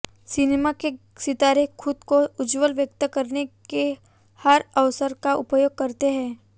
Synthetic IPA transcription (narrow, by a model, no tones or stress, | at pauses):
sɪneːmake | sɪt̪aːɾekʰʊd̪koʊd͡ʒwəlʋjək̚t̪əkɐɾneke | hɐɾɐʋsəɾkaʔʊpjoːɡ̚kɐɾt̪eɦɛ̃ː